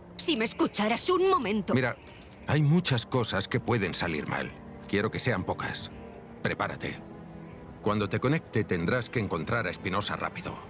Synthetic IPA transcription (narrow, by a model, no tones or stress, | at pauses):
sime̞skut͡ʃaɾasuŋmo̞mẽnt̪omiɾa | ajmut͡ʃasko̞saske̞pwe̞ðe̞nsalḭɾma̰l | kje̞ɾo̞ke̞se̞ampo̞ka̰s | pɾe̞paɾat̪ḛ | kwand̪o̞t̪e̞ko̞ne̞k̚t̪et̪e̞nd̪ɾaske̞ːŋko̞nt̪ɾaɾaespino̞sa̰ra̰piðo̰